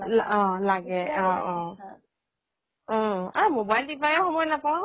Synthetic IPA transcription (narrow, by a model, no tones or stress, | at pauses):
lɔ̃laɡɛɔ̃ɔ̃ | amobajldipʰajɔxɔmɔjnapaw̃